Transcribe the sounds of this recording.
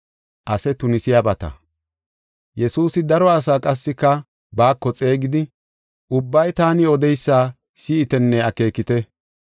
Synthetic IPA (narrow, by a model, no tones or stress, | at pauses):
ʔɐsɛt̪ʊnɪsɪjabɐt̪ɐ̰ | jɛsuːsɪd̪ɐɾɔɐs̬aːkʼɐsːɪkːɐ | baːkːɔt͡sʼe̞ːɡɪd̪ɪ | ʔʊbːɐjt̪aːnɪɔd̪ɛjsːaː | siːɪt̪ɛnːɛɐke̞ːkːɪt̪ɛ